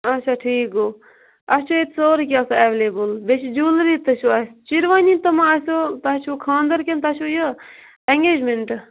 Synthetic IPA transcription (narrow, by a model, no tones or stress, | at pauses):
ɐt͡ʃʰaʈʰiːkoː | ɐt͡ʃʰoet̪soːɾkiasaeʋeleːbəlbet͡ʃʰd͡ʒuːlɾiːt̪ɐt͡ʃʰoɐst͡ʃiɾʋaːnit̪ɐmãɐsot̪at͡ʃʰokʰãːnd̪əɾkent̪at͡ʃʰujɐ | ɛŋɡeːd͡ʒmeɳʈ